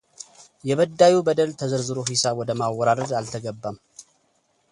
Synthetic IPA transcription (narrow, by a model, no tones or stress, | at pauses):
jɛβəd̪ːajubəd̪əlt̪ʰəzəɾzɨɾoɦisawɔd̪əmawːɔɾaɾəd̪alt̪ʰəɡəbːam